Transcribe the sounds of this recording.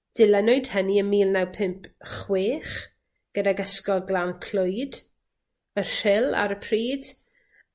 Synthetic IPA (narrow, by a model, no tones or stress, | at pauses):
d̥ɪlˠɛnɔɨd̥həniəmiːlˠnawpʰɪmpʰχweːχ | ɡ̥ədaɡəskɔlˠɡlˠankʰl̥ʊɨd | ərɪlˠa̰ɾəpʰriːd̥